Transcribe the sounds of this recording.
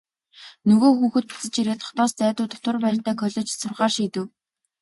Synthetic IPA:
nɵɣoːxuːxɘ̆t̪̚pi̥t͡sɘ̆t͡ɕiɾeːt̪ʰɔ̥χt̪ɔːst͡sæːt̪ʊːt̪ʊ̥t̪ə̆rpæːrt̪ʰæːkʰœɮʲɞ̆t͡ɕsʊrχaːrʃiːt̪ɘ̆w

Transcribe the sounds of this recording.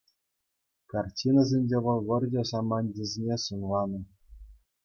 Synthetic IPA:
kɑrtʲinazʲenʲd͡ʑʲeʋɤ̆lˠʋɤ̆rʲdʲesɑmɑnʲdʲezʲenʲesɯnlˠɑnɤ̆

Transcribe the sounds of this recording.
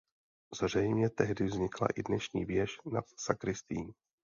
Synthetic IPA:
z̥r̝ɛjmɲɛt̪ɛɦdɪvzɲɪkla̰ʔɪdnɛʃɲiːvjɛʃnat̪sakɾɪst̪iːm

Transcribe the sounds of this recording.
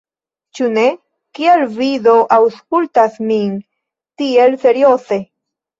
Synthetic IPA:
t͡ʃune | kielviðoʔawskult̪asmin | t̪ielseɾjose

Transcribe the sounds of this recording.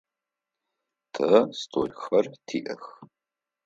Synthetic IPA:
tʰɐstʰo̰ːlxɐrtʰiːʔɐx

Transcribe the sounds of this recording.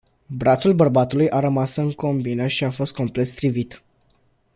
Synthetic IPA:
bɾat̪sulbərbat̪ulujʔaɾəmasɨŋko̞mbinəʃiafo̞st̪̚ko̞mple̞t̪st̪ɾivit̪

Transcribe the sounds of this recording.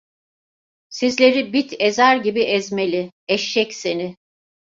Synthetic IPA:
sizlʲe̞ɾibit̪ʰezæɾɟibiʔɛzme̞lʲɪ | ɛʃːɛcse̞nɪ

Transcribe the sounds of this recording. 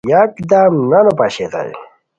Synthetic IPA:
jakd̪aːmnɐnopaɕet̪a̰j̰

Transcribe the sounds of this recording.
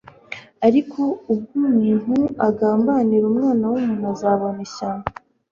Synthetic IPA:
aɾikʰo̞ub̚ɡumiːn̥huaɡaːmbaniɾumŋaːnawumunazaːβoneɕa

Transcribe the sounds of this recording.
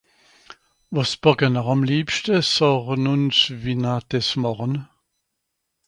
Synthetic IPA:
vɔsb̥ɔɡənəʁɑmliːpʃtəsɔʁənʊnsvinad̥ɛsmɔʁən

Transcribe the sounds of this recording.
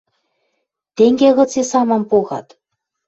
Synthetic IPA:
t̪eŋɡʲeɣɤ̆t͡sesɑmɑ̆mpoɣɑ̰t̪

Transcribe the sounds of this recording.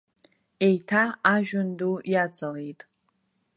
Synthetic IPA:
e̞jtʰaaʒᶣʊndujat͡sʼale̞jtʼ

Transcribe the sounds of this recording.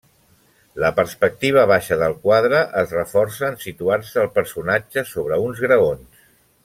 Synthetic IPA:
ləpəɾspək̚t̪iβ̞əβ̞aʃəðəlˠkwaðɾəʔəzrəfɔɾsəːnsit̪uarsəːlˠpəɾsunad͡ʒəsoβ̞ɾəunzɣɾəons

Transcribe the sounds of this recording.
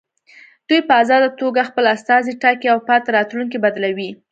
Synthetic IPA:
d̪̥ujpəazɑd̪at̪oɡaxpəlast̪ɑziʈakeawpɑt̪aɾɑt̪luŋkibad̪lawi

